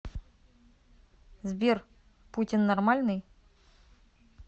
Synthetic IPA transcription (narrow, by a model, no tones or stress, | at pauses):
zʲbʲer | putʲɪnːarmalʲnɨj